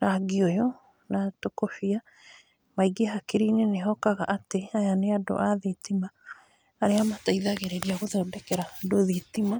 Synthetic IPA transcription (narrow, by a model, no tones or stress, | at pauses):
ɾaɡiɔjɔ | natokofia | maiɡeɦakeɾineneɦɔkaɣaʔateajaneado̰ʔaðetimaː | ɾeamataiðaɣeɾeɾiaɣoðɔdɛkɛɾadoðitima